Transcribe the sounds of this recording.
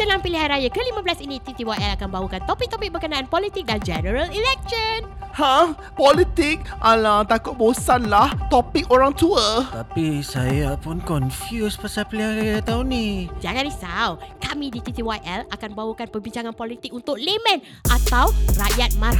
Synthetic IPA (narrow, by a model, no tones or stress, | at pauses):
səlaŋpiliɦajɾajakəlimablasinit̪it̪iwajɛlakanbawukant̪ɔpɪk̚t̪ɔpɪk̚bəkənãʔanpɔlit̪ɪk̚dand͡ʒɛnəɾəlilɛk̚ʃənhã | pɔlit̪ik̚ʔalaŋt̪akʊt̪̚bosanlaht̪ɔpɪkoɾaŋt̪uət̪apisajapʊnkɔnfjuspasapiliɦajɾajat̪aunid͡ʒaŋãnisawkamidit̪it̪iwajʔɛlakanbawukanpəbiɲt͡ʃaŋanpɔlit̪ɪk̚unt̪ʊk̚lemɛ̃n | ʔat̪awrajat̪̚ma